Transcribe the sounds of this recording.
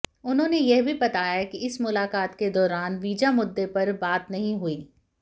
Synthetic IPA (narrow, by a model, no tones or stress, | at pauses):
ʊnɦõːnejɛɦbʱibɐt̪aːjakiɪsmʊlaːkaːt̪ked̪ɔːɾaːnʋiːd͡ʒamʊd̪ːepɐɾbaːt̪nɐɦĩɦuiː